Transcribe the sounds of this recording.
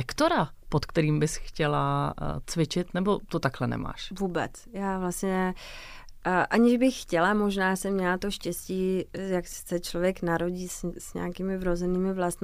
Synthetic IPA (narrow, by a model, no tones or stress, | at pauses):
ɛkt̪oɾapot̪kt̪ɛɾiːmbɪsxcɛla̰t͡svɪt͡ʃɪt̪nɛbot̪ot̪aklɛnɛ̰ma̰ːʃvuːbɛ̰t͡s | jaːvlast̪ɲɛ | ʔaɲɪʒbɪxːcɛlamo̞ʒnaːsɛmɲɛlat̪oʃcɛsciːjakssɛt͡ʃlovjɛknaɾo̞ɟiːssɲɛ̰akiːmɪvɾozɛniːmɪvlast̪m